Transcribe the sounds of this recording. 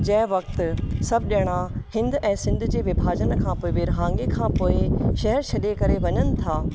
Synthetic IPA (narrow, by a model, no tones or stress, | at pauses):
d͡ʑɐ̃ɦɪ̃ʋɐkt̪sɐbʱɪɗɐɽ̃ahɪ̃nd̪ɛ̃ːsɪ̃nd̪ʱd͡ʑeːʋɐbʱaːd͡ʑənkʰãːpoːɪʋɪɾɦãːŋɡekʰãːpoːɪʃɐɦɛɾʃʰɐɗekɐɾeʋɐɲənɪ̆t̪ʰaː